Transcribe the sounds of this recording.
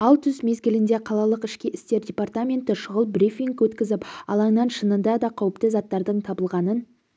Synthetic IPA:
ɑlˠt̪ʰʏzme̞zɡʲɪlɪnd̪e̞qʰɑlˠɑlˠəqɪʃkʲɪɪst̪e̞ɾdʲe̞part̪amʲe̞nt̪ɪʃʊʁəlˠbrifiŋkwɵt̪kʲɪzɪpɑ̰lˠɑɴnɑnʃənənd̪ɑd̪ɑqʰɑwəpt̪əzɑt̪ːɑɾd̪əɴt̪ʰɑbəlˠʁɑnən

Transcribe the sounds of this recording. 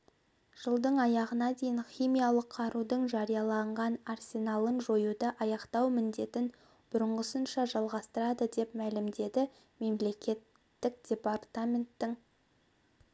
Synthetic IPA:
ʒ̥əlˠd̪əɴɑjɑʁənɑd̪e̞jɪnχʲijmijɑlˠəqʰːɑɾud̪əɴʒɑɾijɑlˠɑɴʁɑnarsʲe̞nalˠənʒo̞jud̪ɑʔɑjɑqt̪ɑwmɪnd̪e̞t̪ɪn | b̥ʊɾəɴʁəsənʃɑʒɑlˠʁɑst̪əɾɑd̪əd̪e̞pmælɪmd̪e̞d̪ɪ | me̞mle̞kʲe̞t̪ː | ɪk̚d̪̥ʲe̞part̪amʲe̞nt̪ːɪŋ

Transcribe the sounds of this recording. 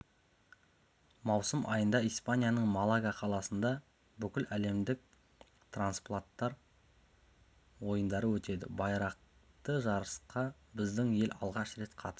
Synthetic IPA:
mɑwsəmʔɑ̰jənd̪ɑijspanʲijanəɴmalˠaɡɑqʰɑlˠɑsənd̪ɑ | bʏkʲɪlæle̞md̪ɪk̚ | t̪ʰransplˠat̪ːɑɾ | wo̞jənd̪ɑɾəwɵt̪e̞d̪ɪ̰bɑjɾɑq̚t̪əʒɑɾəsqɑbɪzd̪ɪŋje̞lʲɑ̰lˠʁɑʃɾe̞t̪qʰɑt̪ə̥s

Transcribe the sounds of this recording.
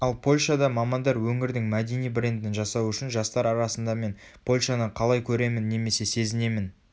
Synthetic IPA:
ɑlˠpʰo̞lʲʃɑd̪ɑmɑmɑnd̪ɑɾwɵŋɪɾd̪ɪŋmæd̪e̞nijbɾe̞nd̪ɪnʒɑsɑwʏʃɪnʒɑst̪ɑɾɑɾɑsənd̪ɑme̞n | pʰo̞lʲʃɑnəqʰɑlˠɑjkʲʰɵɾe̞mɪnːe̞me̞se̞se̞zɪne̞mɪn

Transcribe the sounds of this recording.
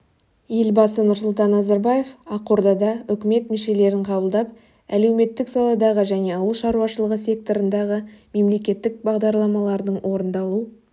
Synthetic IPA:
je̞lbɑsənʊɾsʊlˠt̪ɑnːɑzɑɾbɑje̞fɑqoɾd̪ɑd̪ɑʏkʲɪme̞t̪mɪʃe̞le̞ɾɪɴqʰɑbəlˠd̪ɑp | æ̰le̞wme̞t̪ːɪksɑlˠɑd̪ɑʁəʒæne̞ɑwəlˠʃɑɾuwɑʃəlˠəʁəs̬ʲe̞k̚t̪o̞ɾənd̪ɑʁəme̞mle̞kʲe̞t̪ːɪk̚bɑʁd̪ɑɾlˠɑmɑlˠɑɾd̪əɴwʔo̞ɾənd̪ɑlˠu

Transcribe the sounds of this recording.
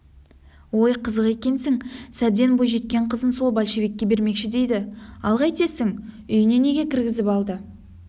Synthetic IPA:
wo̞jqʰəzəqe̞kʲe̞nsɪŋsæb̚d̪e̞nbo̞jʒe̞t̪̚kʲe̞ɴqʰəzənso̞lˠbɑlʲʃe̞vekʲːe̞be̞ɾme̞kʃɪd̪e̞jd̪ɪɑlˠʁɑjt̪e̞sɪŋʏjɪne̞ne̞ɡʲe̞kʲʰɪɾɡʲɪzɪpɑlˠd̪ə

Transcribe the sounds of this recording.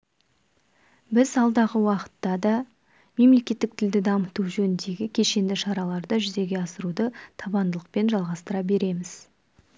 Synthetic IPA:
bɪzɑlˠd̪ɑʁəwɑqə̥t̪ːɑd̪ɑ | me̞mle̞kʲe̞t̪ːɪkt̪ʰɪld̪ɪd̪ɑmət̪uʒɵnɪnd̪e̞ɡʲɪkʲʰe̞ʃe̞nd̪ɪʃɑɾɑlˠɑɾd̪əʒʏze̞ɡʲe̞ɑsəɾud̪ət̪ʰɑbɑnd̪əlˠəq̚pe̞nʒɑlˠʁɑst̪əɾɑbe̞ɾe̞mɪz̥

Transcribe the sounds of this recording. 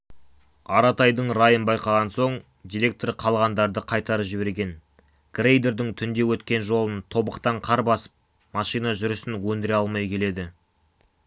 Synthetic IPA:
ɑɾɑt̪ɑjd̪əɴɾajənbɑjqɑʁɑnso̞ɴ | d̪ʲiɾʲe̞k̚t̪orqʰɑlˠʁɑnd̪ɑɾd̪əqʰɑjt̪ɑɾəpʒɪbe̞ɾɡʲe̞n | ɡ̥rejd̪e̞ɾd̪ɪŋt̪ʰʏnd̪e̞wɵt̪kʲe̞nʒo̞lˠənt̪ʰo̞bəqt̪ɑɴqʰɑɾbɑsə̥p̚ | mɑʃijnɑʒʏɾʏsɪnwɵnd̪ɪɾeɑlˠmɑjkʲʰe̞le̞d̪ɪ

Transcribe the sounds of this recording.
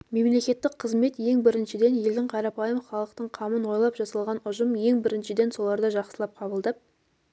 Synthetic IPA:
me̞mle̞kʲe̞t̪ːɪk̚qʰəzme̞t̪je̞ŋbɪɾɪnʃɪd̪e̞nje̞ld̪ɪŋqʰɑɾɑpɑjəmχɑlˠəq̚t̪əɴqʰɑmənwo̞jlˠɑpʒɑsɑlˠʁɑnʊʒəmje̞ŋbɪɾɪnʃɪd̪e̞nso̞lˠɑɾd̪əʒɑqsə̥lˠɑp̚qʰɑbəlˠd̪ɑp̚

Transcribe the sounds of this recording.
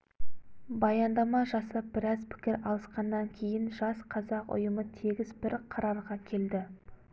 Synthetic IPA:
bɑjɑnd̪ɑmɑʒɑsɑp̚bɪɾɑzpʰɪ̥kʲɪɾɑlˠəsqɑnːɑŋkʲʰe̞jɪnʒɑsqʰɑzɑqʊ̰jəmət̪ʰeɡʲɪzbɪɾqʰɑɾɑɾʁɑkʲʰe̞ld̪ɪ

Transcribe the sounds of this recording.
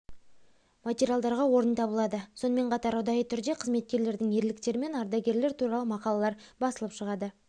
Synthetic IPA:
mat̪ʲeɾʲijalˠd̪ɑɾʁɑwo̞ɾənt̪ʰɑbəlˠɑd̪əso̞nəme̞ɴqʰɑt̪ɑɾʊd̪ɑjət̪ʰʏɾd̪e̞qʰəzme̞t̪̚kʲe̞ɾle̞ɾd̪ɪŋje̞ɾlɪk̚t̪e̞ɾɪme̞nɑɾd̪ɑɡʲe̞ɾleɾt̪ʰuɾɑlˠəmɑqɑlˠɑlˠɑɾbɑsəlˠəpʃəʁɑd̪ə

